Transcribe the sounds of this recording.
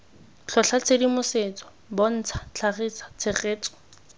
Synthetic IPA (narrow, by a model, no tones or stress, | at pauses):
t͡ɬʰɔɬat͡sʰedimʊset͡sɔ̥ | bɔn̩t͡sʰḁt͡ɬʰaχit͡sḁt͡sʰeχeːt͡sɔ̥